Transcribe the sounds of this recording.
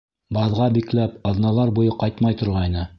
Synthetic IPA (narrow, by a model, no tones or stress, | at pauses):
bɑðʁɑbiklæpɑðnɑlˠɑɾbujɤqɑjt̪mɑjt̪ŏɾʁɑjnɤ